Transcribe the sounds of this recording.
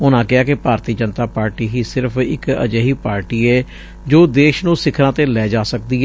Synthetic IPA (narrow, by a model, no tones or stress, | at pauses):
ʊnãːkɪaːkɪpaːɾt̪iːd͡ʒənt̪aːpaːɾʈiːɦiːsɪɾpʰɪ̰kə̰d͡ʒəːɦiːpaːɾʈiːɛː | d͡ʒoːd̪eːʃnũːsɪkʰɾãːt̪eːlɛːd͡ʒaːsək̚d̪iː